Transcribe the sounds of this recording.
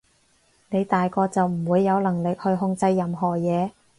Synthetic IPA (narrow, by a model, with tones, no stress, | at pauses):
ne˨˧jt̪aː˨jkɔː˧t͡sɐ˨wm̩˨˩wuː˨˧jːɐ˨˧wlɐ˨˩ŋlɪ˨k̚hɵ˧ɥɦʊ˧ŋt͡sɐ˧jːɐ˨mɦɔː˨˩jɛː˨˧